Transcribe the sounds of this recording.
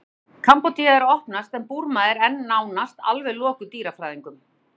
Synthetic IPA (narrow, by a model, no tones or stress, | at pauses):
kʰampot̪ʰiaðɛɾɔhpnast̪ɛmpuɾmaðɪɾɛnːaːwnast̪a̰lvɛðlɔːkʏt̪iːɾafɾaːjðiŋkʏm